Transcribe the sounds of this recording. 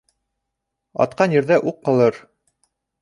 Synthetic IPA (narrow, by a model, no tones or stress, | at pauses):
ɒ̰t̪̚qɑnjɘ̆ɾðæʔuqːɑlˠɤɾ